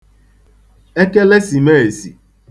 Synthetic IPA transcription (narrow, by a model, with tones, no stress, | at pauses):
e˦ke˦le˦si˨me˦e˨sḭ˨